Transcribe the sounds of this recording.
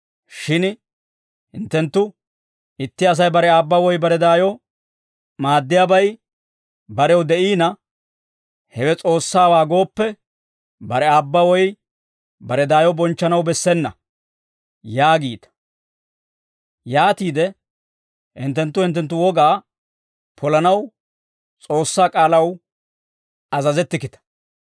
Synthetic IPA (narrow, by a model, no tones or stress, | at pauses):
ʃɪn | hɪnt̪ːɛnt̪ːʊ | ɪt̪ːɪɐs̬ɐjbɐɾɛaːbːɐwɔjbɐɾɛd̪aːjɔ | maːd̪ːɪjaːbɐj | bɐɾɛwd̪ɛʔiːnɐ | hɛwɛt͡sʼo̞ːsːaːwaːɡo̞ːpːɛ | bɐɾɛaːbːɐwɔj | bɐɾɛd̪aːjɔbɔnt͡ʃːɐnɐwbɛsːɛnːɐ̰ | jaːɡiːt̪ɐ̥ | jaːt̪iːd̪ɛ | hɪ̰nt̪ːɛnt̪ːʊhɪnt̪ːɛnt̪ːʊwɔɡaː | pʰɔlɐnɐw | t͡sʼo̞ːsːaːkʼaːlɐw | ɐzɐzɛt̪ːɪkɪt̪ɐ̥